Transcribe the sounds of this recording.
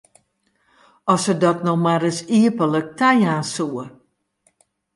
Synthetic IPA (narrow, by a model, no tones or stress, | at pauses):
ɔsədɔtnɔxmaɾəsiəpələk̚tʰɛjaːnsuə